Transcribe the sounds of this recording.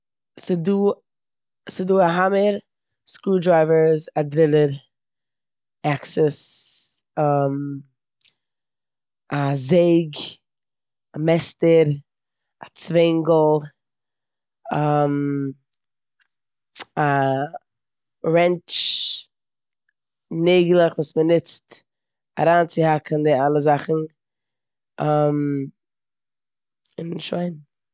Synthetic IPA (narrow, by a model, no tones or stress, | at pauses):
səduː | səduːaɦamɪɾ | skɾuːdɾaɪvə˞zadɾɪləɾ | ɛksɛs | am | azeɪɡ | amɛstɪɾ | at͡svɪŋɡl̩ˠ | am | a | ɾɛnt͡ʃ | neɪɡlˠəχvuːsmənɪt͡st | a̰ɾaːnt͡sɪhakəndɪalˠəzaχn̩ | am | ɪnʃaɪn